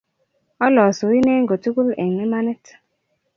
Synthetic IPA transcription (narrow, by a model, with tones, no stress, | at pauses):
ɔ˦lɔ˨su˨i˦ne˦ŋ˦ɡo˨tu˦ku˦lɛ˨ŋe˦ma˦ne˦t